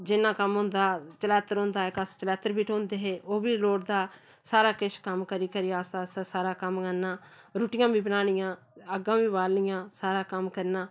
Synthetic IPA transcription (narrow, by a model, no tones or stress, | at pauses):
d͡ʒɪnːãːkəmɦʊ̃ːnd̪aːt͡ʃəlɛːt̪əɾɦõːnd̪aːɪkəst͡ʃəlɛːt̪əɾbiːʈʰõːnd̪eːɦeːʔoːbiːloːɽd̪aː | saːɾaːkɪʃkəmkəɾiːkəɾiːaːst̪aːst̪aːsaːɾaːkəmɡənːãː | ɾuːʈɪjãːbiːbənaːɽ̃ɪjãː | əɡãːʋiːʋaːlnɪjãːsaːɾaːkəmkəɾnãː